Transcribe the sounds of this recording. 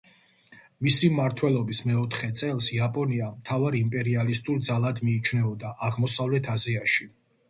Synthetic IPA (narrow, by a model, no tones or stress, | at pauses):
misimːaɾt̪ʰwɛlˠɔbismɛɔt̪ʰχɛt̪sʼɛlˠsiapʼɔniamt̪ʰavaɾimpʼɛɾialist̪ʼuɾd̪zalˠad̪miːt͡ʃʰnɛɔd̪aʔaʁmɔsavlɛt̪ʰaziaʃi